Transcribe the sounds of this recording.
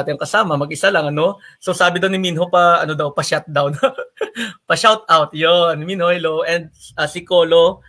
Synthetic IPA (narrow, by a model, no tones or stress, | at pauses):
t̪ɪjɐŋkɐsaːmɐmɐɡʔɪsalɐŋɐno̞sowsaːbɪd̪ɐwnɪminɦo̞pɐɐ̰no̞d̪ɐwpɐʃat̪̚d̪awn | pɐʃawt̪̚awt̪̚jonminhohɛloʔɛnd̪̚ʔasɪkoːlo̞